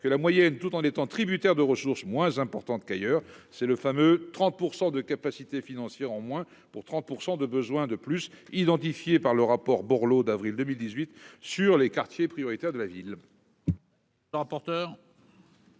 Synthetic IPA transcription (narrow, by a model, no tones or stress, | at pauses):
kəlamwajɛnt̪ut̪ɑ̃net̪ɑ̃t̪χibyt̪ɛʁd̪əʁəsuʁsmwɛ̃zɛ̃pɔʁt̪ɑ̃t̪kajœːʁsɛləfamøt̪χɑ̃t̪̚puʁsɑ̃d̪əkapasit̪efinɑ̃sjɛʁɑ̃mwɛ̃ | puʁt̪χɑ̃t̪̚puʁsɑ̃d̪əbəzwɛ̃d̪əplysid̪ɑ̃t̪ifjepaʁləʁapɔʁbɔʁlod̪avʁild̪əmild̪izɥit̪syʁlekaʁt̪jepχijɔʁit̪ɛʁd̪əlavil | ʁapɔʁt̪œːʁ